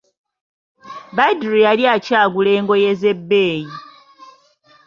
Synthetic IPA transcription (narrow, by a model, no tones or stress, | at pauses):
badɾijaljacaːɡule̞ːŋɡo̞je̞ze̞bːeːji